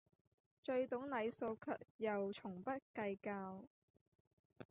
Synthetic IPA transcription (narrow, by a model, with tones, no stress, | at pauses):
t͡ʃɵ˧ɥt̪ʊ˨˥ŋnɐ˨˧jso˧wkʰœ̰ː˨k̚jɐ˨wt͡ʃʰʊ˨˩ŋpɐ˥t̚kɐ˧jkaː˧w